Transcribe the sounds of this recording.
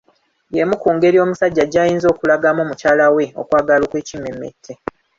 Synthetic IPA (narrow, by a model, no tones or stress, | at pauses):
jemukuːŋɡe̞ɾio̞ːmusaɟːaɟajiːnzo̞ːkulaɡamoːmucaːlawe̞o̞̰kwaːɡalokweːcimemːḛtʰːe